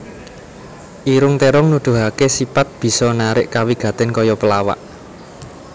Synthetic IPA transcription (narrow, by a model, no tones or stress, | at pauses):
ʔiɾʊŋt̪eɾʊŋnud̪̥ṳɦakesipat̪̚b̥i̤sɔnaɾɪʔkawiɡ̥ä̤t̪ɪnkɔjɔpəlawa̰ʔ